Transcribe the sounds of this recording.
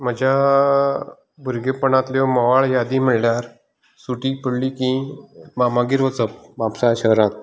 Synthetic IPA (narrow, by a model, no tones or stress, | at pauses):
m̤əd͡ʑa | bʱuɾɡepəɳãt̪ljoməʋaɭjad̪ĩməɽljaɾ | suʈipəɽlikĩmamãɡiɾʋət͡səp̚ʋapsaɕəɦɾãt̪̚